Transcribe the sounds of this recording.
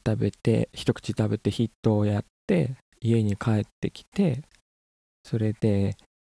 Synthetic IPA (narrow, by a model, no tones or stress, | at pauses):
t̪abe̞t̪e̞̰çi̥t̪o̞kɯ̟̥t͡ɕit̪abe̞t̪e̞çit̪ːo̞ːjat̪ːe̞ | ie̞ɲ̟ikʰae̞t̪ːe̞kʲi̥t̪e̞ | so̞ɾe̞d̪̥e̞